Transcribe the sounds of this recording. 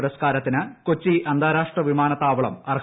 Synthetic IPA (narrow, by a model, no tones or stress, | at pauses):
ɾɐskaːɾɐt̪ːinɨkot͡ɕːiʔɐnd̪ʱaːɾaːʂʈrɐʋimaːnɐt̪ːaːʋɐɭɐ̰mɐr